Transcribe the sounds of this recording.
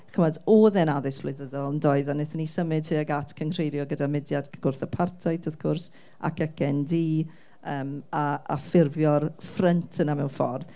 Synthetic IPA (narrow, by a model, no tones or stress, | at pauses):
χəmadoːðɛnaðɪsblˠɪðəðɔlˠəndɔɨðanɪθənisəmɨdhɨːaɡatʰkʰənr̥ejɾjɔɡədamɪdjad̥ɡ̥ʊrθəpʰartʰajtʰɔθkʰʊrs | a̰kʰəkʰɛndiː | əːmaa̰fɪrvjɔrfrəntʰənamɛwnfɔ̰rð